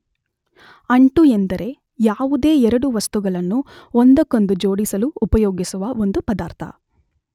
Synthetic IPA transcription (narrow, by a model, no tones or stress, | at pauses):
ɐɳʈuend̪ɐɾe̞ | jaːʋud̪e̞ːɛɾɐɽuʋɐst̪uɡɐɭɐnːuond̪ɐkːond̪ud͡ʒoːɽisɐluːpɐjoːɡisuʋɐo̞nd̪upɐd̪aːɾt̪ʰɐ̰